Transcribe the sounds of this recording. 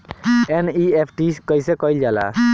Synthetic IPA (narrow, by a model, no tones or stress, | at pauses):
eniepʰʈiskɔjsɛkɔjld͡ʒala̰